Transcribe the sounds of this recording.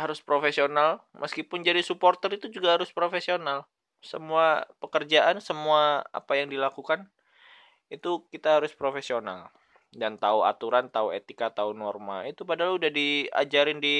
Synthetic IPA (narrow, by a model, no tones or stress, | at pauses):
haɾʊspɾofesionalmʔəskipʊnd͡ʒadisuport̪əɾit̪ud͡ʒuɡahaɾʊspɾofesional | səmuapəkərd͡ʒaʔansəmuaa̰pajaŋdilakukan | it̪ukit̪aɦaɾʊspɾofesiona̰l | dant̪aua̰t̪uɾant̪auet̪ikat̪aunɔrma̰it̪upadaɦaludahdia̰d͡ʒaɾɪndi